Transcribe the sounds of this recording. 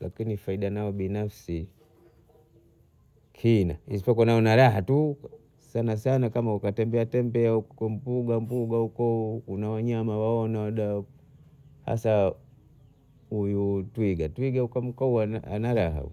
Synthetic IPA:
lakinifaiɗanaɔbinafsi | kʰina̰isi̥pɔkɔnaɔnaɾaɦatu | sanasanakamaukatɛmbɛatɛmbɛaukɔm̩puɡampuɡaukɔukunawaɲamawaɔnawaɗa | ha̰sa | hujutwiɡatwiɡaukam̩kɔuaa̰naɾaɦa̰

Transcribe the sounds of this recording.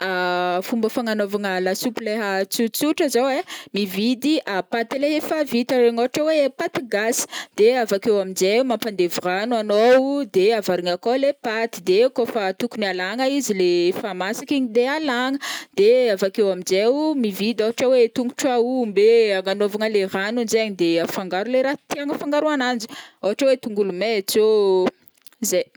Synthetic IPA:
afumbəfaŋanovaŋalasupleɦat͡sut͡suʈ͡ʂəzowemivid̪iʔapat̪ilefavit̪aɾeŋoɦaʈ͡ʂawepat̪iɡasi̥d̪̥eavakewamind͡ʒewumampand̪evranuanod̪eavaɾiŋakolepat̪id̪ekofat̪ukunialaŋaizilefamasakiɲid̪ealaŋəd̪̥eavakewamind͡ʒewmivid̪aɦaʈ͡ʂawet̪uŋɡuʈ͡ʂaumbeaŋanovaŋəleranund͡ʒeɲid̪eafaŋɡaɾuleɾat̪iaŋəfaŋɡaɾuanand͡ʒi̥oɦaʈ͡ʂawet̪uŋɡulumet͡so | zej

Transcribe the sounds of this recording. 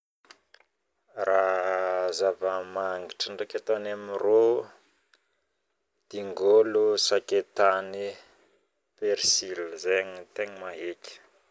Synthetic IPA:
ra | zavamaŋɡiʈ͡ʂəɳɖ͡ʐekat̪anamiro | d̪̥iŋɡolusaket̪ani | peɾsilzeɲit̪eɲimaɦekʲə̥

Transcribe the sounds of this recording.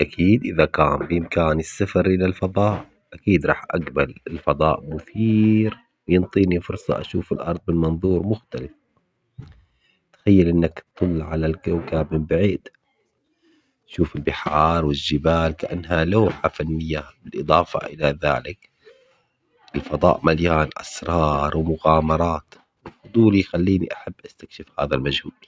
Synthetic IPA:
ʔakʰiːd̪ʔɪðakaːmbɪʔɪmkaːnɪsːafɑɾʔɪlalfɑðˤɑːʔ | ʔakiːd̪ɾˤɑ̰ːħʔaɡbalɪlfɑd̪ˤɑːʔmʊθiːɾ | wjɪnt̪ˤiːnifʊɾsˤɑ̰ʔa̰ʃuːfɪlʔɑɾˤðˤbɪnmɑnðˤuːɾmʊxt̪alɪf | t̪xajːalʔɪnːakt̪t̪ˤːʊlːʕalalɡawkaːbmɪmbaʕiːd̪ | aʃuːfɪlbɪħɑːɾˤwɪlʒɪbaːlkaʔa̰nːɦalaːħafanːɪjːabɪlʔɨd̪ˤɑːfa̰ʔɪlaða̰ːlɪk | ʔɪlfɑd̪ˤɑ̰ːʔmaljaːnʔa̰sɾˤɑːɾˤwɪmʊɣaːmɑɾˤɑːt̪ | wɪlfʊd̪ˤuːlijxalːiːnḭʔaħabːʔast̪ḁkʃɪfhaːðalmad͡ʒhuːb

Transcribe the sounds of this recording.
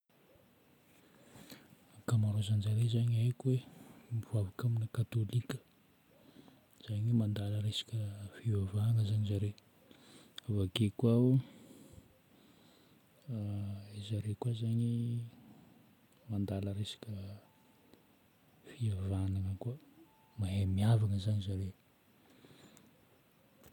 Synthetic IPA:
kamaɾozanzaɾezaɲajkwemivuavakaminəkat̪olikʲə̥ | z̥aɲimand̪aləɾesḁkʲəfivavaŋəzaɲizaɾe | avakekwau | izaɾekwazaɲi | mand̪aləɾesḁkʲə | fiavanaŋəka | maɦemiavaŋəzaɲizaɾe

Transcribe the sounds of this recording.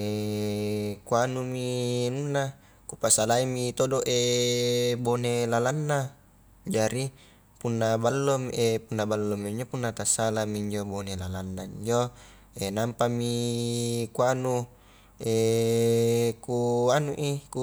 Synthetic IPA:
kuanuminunːa | kupasalaimit̪odoʔe | bonelalanːa | d͡ʒaɾi | punːabalːomiʔepunːabalːomiɲd͡ʒopunːat̪asalamiiɲd͡ʒobonelalanːaiɲd͡ʒo | enampami | kuanu | e | kuanuʔiku

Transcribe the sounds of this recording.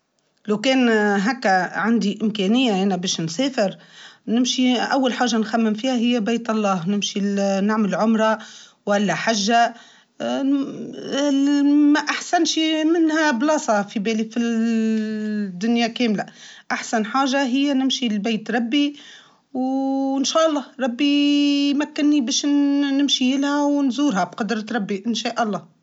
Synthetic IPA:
lawkɛːnɦækːæʕand̪iʔɪmkɛːnɪjːaʔanæbɛːʃnsɛːfɪɾnɪmʃiʔawːalħaːʒːanxæmːɪmfiːhaɦɪjːæbeːt̪ɑlˤːɑːhnɪmʃinaʕmɪlʕʊmɾˤɑ | wʔælːæħaʒːa | mæʔaħsanʃimɪnːhæblɑːsˤɑfibɛːlifi | d̪ːʊnjakɛːmlaʔaħsanħaːʒaɦɪjːænɪmʃilbeːt̪ɾˤɑbːi | wɪnʃæːʔɑlˤːɑːhɾˤɑbːimækːɪnːibɛːʃːɪmʃijɪlhæwnzuːɾhabqɑd̪ɾˤɑɾˤɑbːiʔɪnʃæːʔɑlˤːɑː

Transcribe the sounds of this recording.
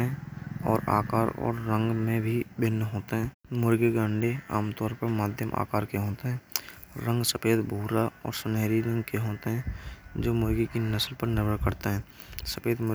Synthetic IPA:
ɛ̃ɔːɾa̰ːkaːɾɔ̰ːɾːə̃ŋɡmẽbʱibɪnːɦoːt̪eɦɛ̃ː | mʊɾɡeɡãːɳɖea̰ːmt̪ɔːɾpəɾmaːd̪ʱjəmʔa̰ːkaːɾkeɦoːt̪eɦɛ̃ː | ɾə̃ŋɡsəpeːd̪bʱuːɾaɔ̰ːɾsəneːɾiɾə̃ŋɡkeɦoːt̪eɦɛ̃ːd͡ʒoːmʊɾɡikinəsəlpəɾnɪɾəɽkəɾt̪eɦɛ̃ː | səpeːd̪mʊ

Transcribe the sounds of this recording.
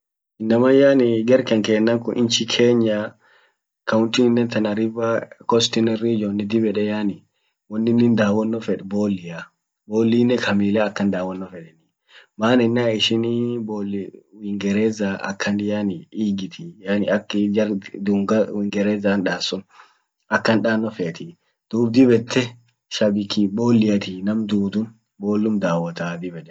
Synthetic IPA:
ʔɪnːɐmajaniɡɛɾkɛŋkɛːnːaŋkɔʔḭnt͡ʃikʰeːɲːa | kʰawʊntinːɛnt̪ɐnaɾibakɔst̪inɛɾid͡ʒɔnːid̪ibɛɗɛjani | wɔnːinːind̪aːwɔnːɔfɛɗbolːija | boːlːiːnɛkʰɐmiːlɛːkːɐnd̪aːwɔnːɔfɛɗɛni | maːnɛnːaɪʃiniboːlːwɪŋɡɛɾeːzaɐ̰kʰːɐnd̪ɪjanɪiːɡɪt̪ʰijaːnɪɐkːd͡ʒɐɾd̪uŋɡɐwɪŋɡɛɾeːzaːnᶑaːsːʊn | ɐkːɐnᶑaːnːɔfɛːt̪ɪ | d̪̥uːbd̪ɪbɛt̪ːɛ | ʃɐbɪkiboːlːɪjɐt̪inɐmd̪uːd̪ʊn | boːlːʊmd̪aːwɐt̪aːd̪ɪbɛᶑɛ̥

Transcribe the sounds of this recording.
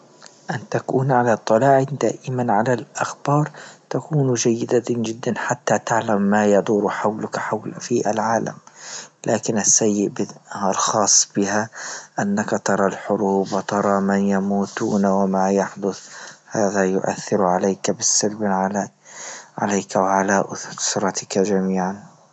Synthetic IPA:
ʔant̪akuːnʕalat̪ˤːɑlaɑːʕɪnd̪a̰ːʔɪmanʕalalʔaxbɑːɾˤt̪akuːnd͡ʒajːɪd̪ad͡ʒɪd̪ːanħat̪ːat̪ɪʕlamːajɑd̪ˤuːɾħawlʊkħawlfiʔalʕaːla̰mlʔaːkɪnasːajːɪʔbɪalxɑːsˤːb̥ɪhaʔanːakat̪ɑɾˤɑlħʊɾuːbwɪt̪ɑɾˤɑmanjamuːt̪uːnawɪmajaħd̪ʊθhaːðajʊʔa̰θːɪɾʕaleːkabɪsːalbʕa | ʕa̰laːkawʕalaʔʊθɾˤɑt̪ɪkad͡ʒamiːʕan

